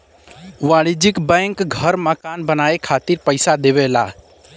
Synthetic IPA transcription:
ʋaːɽid͡ʒɪkbɛ̃ŋkɡʱəɾməkaːnbənaːekʰaːt̪iɾpəɪsad̪eʋela̰ː

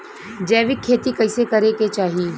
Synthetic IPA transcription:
d͡ʒɛːʋɪkʰːeːt̪ikɐɪsekɐɾeket͡ʃaːɦie

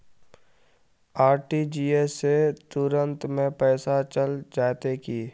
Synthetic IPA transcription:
aːɾʈid͡ʒiːeset̪ʊɾə̃nt̪mẽpɛːsat͡ʃəld͡ʒaːt̪ekiː

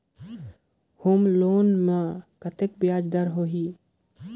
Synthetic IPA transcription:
homloːnməkət̪ek̚bjaːd͡ʒd̪aɾɦoɦiː

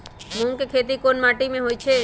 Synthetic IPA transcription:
mũŋkekʰet̪̬ikonmaʈimẽɦojt͡ʃʰe

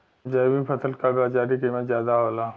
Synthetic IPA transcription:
d͡ʒɐjmĩpʰɐt̪ʰəlkaɡaːd͡ʒaːɾikemẽzjaːd̪aɦoːla

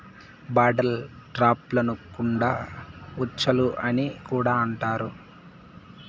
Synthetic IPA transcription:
baːɖɐlʈɾaːplɐnukːuɳɖaːut͡ʃːɐluʔɐnikuːɽaːɐɳʈaːɾu

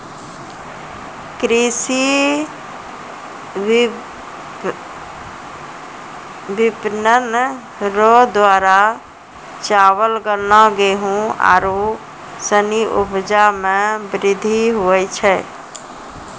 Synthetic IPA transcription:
kɾisi | bipnən | ɾod̪waɾa | t͡ʃaβəlɡəɾnaɡeɦũa̰ɾu | səniʔṵbd͡ʒamẽbɾid̪ʱiɦuɛt͡ʃʰɛ

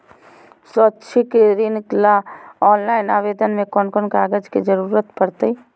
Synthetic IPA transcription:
sotːʃʰikeɾinklaɔːnlaːɪnaːʋeːd̪ənmẽkɔnkonkaːɡəd͡ʒked͡ʒəɾuːɾət̪pəɾt̪ei

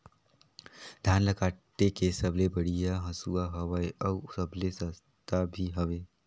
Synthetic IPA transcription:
d̪ʱjanləkaʈːekesəblebəɽijaɦə̃suaɦəʋajəwsəblesəs | t̪abʱiɦəʋe

